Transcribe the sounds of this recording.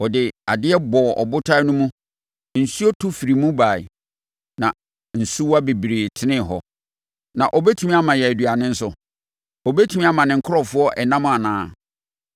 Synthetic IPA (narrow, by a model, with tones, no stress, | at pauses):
ɔ˨dɪ˨a˨dɪ˦ɛ˦bɔ˨ʔɔ̰˨bʊ˦tʰa˦nʊ̃˦mũ˦ | n̩˨su˦ɔ˦tʰu˦fi˨ɾi˨mũ˦ba˨ɪ˨ | nã˨ | n̩˨su˦wa˦be˨bɾe˨tʰɪ˦nɪ̃˦˨ɦɔ˨ | nã˨ʔɔ˨bɛ˦tʰũ˦mĩ˦a˦mã˨jɛ˨æ˨dɥa˨nɪ̃˦n̩˦sʊ˨ | ɔ˨bɛ˦tʰu˦mĩ˦a˦mã˨nɪ̃˨ŋ̩˨kʰʊ˦ɾɔ˦fʊ˦ɔ˦ʔɛ˨nã˦mʊ̃˦a˨nãː˨˦